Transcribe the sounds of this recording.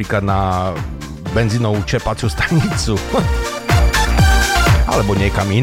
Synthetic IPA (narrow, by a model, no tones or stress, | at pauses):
iklad̪na | bɛnzinowt͡ʃɛpat͡sust̪ḁɲit͡su | a̰lɛbɔɲɛkamin